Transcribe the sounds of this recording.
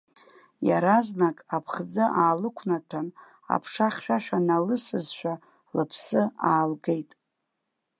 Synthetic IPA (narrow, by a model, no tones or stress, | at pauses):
jaɾaznakʼapʰχd͡zɨʔaːlɨkʷʰnatʰan | a̰pʰʂaχʲʃᶣaʃᶣanalɨsɨzʃᶣa | lɨpʰsɨaːlɡe̞jtʼ